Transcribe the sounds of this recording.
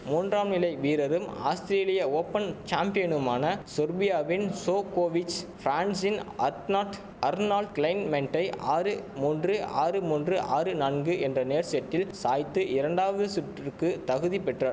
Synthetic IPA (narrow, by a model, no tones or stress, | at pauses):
muːndraːmnɪlɐɪʋiːɾɐɾɯma̰ːst̪ɪɾeːlɪjɐoːpːɐnt͡ʃaːmpɪjɐnɯmaːnɐsʊɾbɪjaːʋɪnsoːkoːʋɪt͡ʃfɾaːnsɪnɐnaʈ | ɐɾnaːlɖklɐɪnmɛɳʈɐɪaːɾɯmuːndrɯa̰ːɾɯmuːndrɯʔaːɾɯnɐnɡɯʔɛndrɐneːɾsɪjɐʈːɪlsaːjt̪ːɯʔɪɾɐɳɖaːʋɐðɯsʊʈrɪɾkɯt̪ɐɣɯðipɛʈraɾ